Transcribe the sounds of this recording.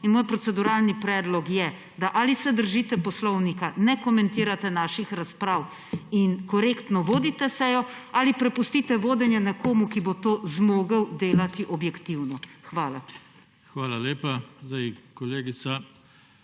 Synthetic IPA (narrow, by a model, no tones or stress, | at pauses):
inmoːjpɾɔt̪sɛd̪uɾaːlnipɾɛːd̪lɔkjɛ | d̪aʔaːlisɛd̪əɾʒiːt̪ɛpɔslɔwnikanɛkɔmɛnt̪iːɾat̪ɛnaːʃixɾaspɾaːw | inkɔɾeːkt̪nɔʋoːd̪it̪ɛsɛjɔalipɾɛpust̪iːt̪ɛʋoːd̪ɛnjɛnɛkoːmukibot̪oːzmoːɡəwd̪eːlat̪iʔɔbjɛkt̪iwnɔxʋaːla | xʋaːlaleːpazd̪ajkɔleːɡit̪sa